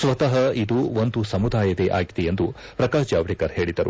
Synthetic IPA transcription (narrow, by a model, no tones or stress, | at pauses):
sʋɐt̪ɐɦɐid̪uond̪usɐmud̪aːjɐd̪eʔa̰ːɡid̪ejend̪u | pɾɐkaːʃd͡ʒaːʋɽikɐɾhe̞ːɭid̪ɐɾṵ